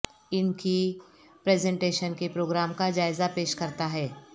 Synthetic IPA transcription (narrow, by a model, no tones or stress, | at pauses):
ɪnki | pɾɛːzɛ̃ɳʈeːʃənkepɾoːɡɾaːmkad͡ʒaːɪzapeːʃkɐɾt̪aɦɛː